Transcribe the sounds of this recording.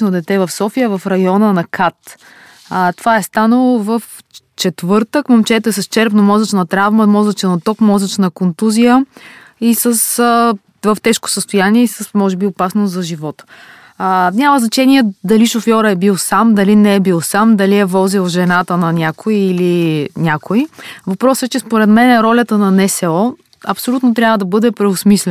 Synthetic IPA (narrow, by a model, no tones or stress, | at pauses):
nod̪ɛt̪ɛvɐfsɔfijəvɐfɾɐjɔnənɐkʰat̪ | ət̪ovaɛst̪anəlˠovəf | t͡ʃɛt̪vɤɾt̪əkmomt͡ʃɛt̪oɛsɐst͡ʃɛɾpnomɔzət͡ʃnɐt̪ɾavməmɔzɐt͡ʃɛnɐt̪ɔkmɔzət͡ʃnɐkont̪uzijə | isəs | vəft̪ɛʃko̥səst̪ʊjaniɛisəsmɔʒɛbiʊpasnʊzɐʒivɔt̪ə̥ | nʲaməznɐt͡ʃɛniɛd̪ɐliʃofjɔɾəɛbilˠsamd̪ɐlinɛːbilˠsamd̪ɐliɛvɔzilˠʒɛnat̪ənɐnʲakoiːlinʲakoivɐpɾɔsɛt͡ʃɛspoɾɛt̪mɛnɛɾɔlʲət̪ənɐnɛsɛɔ | ɐpsolʲut̪not̪ɾʲavəd̪ɐbɤd̪ɛpɾɛʊsmislɛ